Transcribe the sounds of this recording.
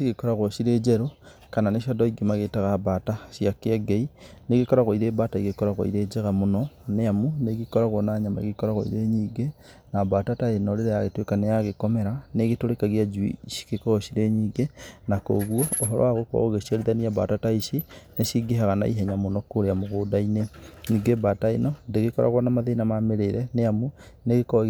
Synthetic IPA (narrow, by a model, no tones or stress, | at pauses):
siɣekɔɾaɣoʃiɾed͡ʒɛɾo | kananeʃadɔiɡimaɣetaɣabataʃjakeaɡeineɣekɔɾaɣoiɾebataiɣekɔɾaɣo̰ḭɾed͡ʒɛɣamonɔneamuneɣikɔɾaɣwonaɲamaḛɣekɔɾaɣo̰ḭɾeɲiːɡe | nabatataenɔɾeɾejaɣetwekanejaɣekɔmɛɾaneɣetoɾekaɣiad͡ʒuḭʃi̥kekɔɔʃiɾeɲiːɡenako̰ɣwɔoɦɔɾɔ̰waɣokɔ̰ɣoɣeʃiaɾeðaniaba̰tataiʃineʃiɡeɦaɣana̰ḭɦɛɲamonɔkoɾeamoɣodaineniɡebataenɔndeɣekɔɾa̰ɣwɔnamaðenamameɾeɾɛneamuneɣekɔ